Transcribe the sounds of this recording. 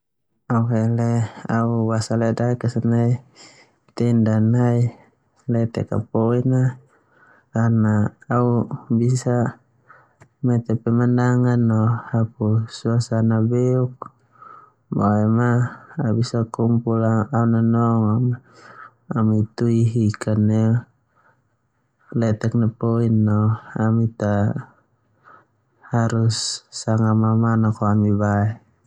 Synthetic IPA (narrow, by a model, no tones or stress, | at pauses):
auɦeleauwasalɛdaikasanai | t̪ɛndanai | lɛt̪ɛ̰ka̰poina | karnaːubisa | mɛt̪ɛpɛmandaŋanːɔhapusuasanabɛuk̚ | ba̰ɛmaabisakumpulaaunanɔŋama | amit̪uiɦikanːe | lɛt̪ɛk̚napoinːɔamit̪a | haɾusːaŋamamanakoamibaɛ